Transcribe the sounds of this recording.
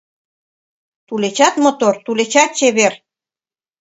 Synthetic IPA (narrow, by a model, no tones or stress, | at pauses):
t̪ulet͡ɕɑt̪mot̪ort̪ulet͡ɕɑt̪̚t͡ɕeβer